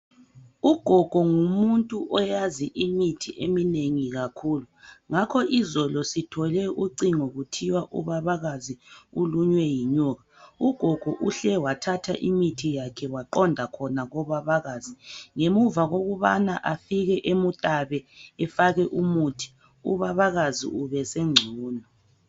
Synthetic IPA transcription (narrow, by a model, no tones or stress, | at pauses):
uɡ̥ʱɔɡ̥ʱɔŋumuntʼuʔɔjaziʔimitʰiʔemineŋiɣakʰuːluŋakʰɔʔizɔlɔsitʰɔlɛuǀiŋoɣutʰiwaʔṵβaβaɣaziuluɲwɛjiɲɔːɣauɡ̥ʱɔɡ̥ʱɔʔuɬɛwatʰatʰa̰ʔimitʰijakʰɛwaǃɔndʱakʰɔnaɣɔβaβaɣaːziŋemuvaɣoɣuβa̰naʔafiɣɛʔemutʼaβɛɛfaɣɛʔumuːtʰi̥ | ṵβaβaɣazḭuβɛseŋ͡ǀʱuːnɔ